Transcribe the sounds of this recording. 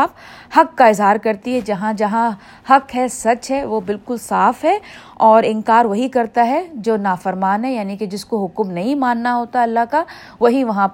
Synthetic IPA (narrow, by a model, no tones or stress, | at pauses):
f | hɐkːaɪzɦaːɾkɐɾt̪iɦɛd͡ʒɐɦãd͡ʒɐɦã | hɐkɦɛsɐt͡ʃɦɛʋoːbɪlkʊlsaːfɦɛː | ɔːɾɪ̃nkaːɾʋɐɦikɐɾt̪aɦɛd͡ʒoːnaːfɐɾmaːnɦɛjaːniked͡ʒɪskoɦʊkmnɐɦĩmaːnːaɦoːt̪aɛɐlːaka | ʋɐɦiʋɐɦãp